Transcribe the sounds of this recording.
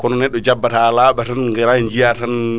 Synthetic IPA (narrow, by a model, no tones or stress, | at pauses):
kɔnɔnɛɗːɔd͡ʒabːatalaːɓatanŋɡɛɾaɲd͡ʒijatan